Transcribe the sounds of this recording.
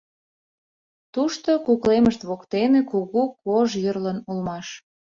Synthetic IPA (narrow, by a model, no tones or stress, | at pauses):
t̪uʃt̪okukleməʃt̪βokt̪enekuɣukoʒjərlənulmɑʃ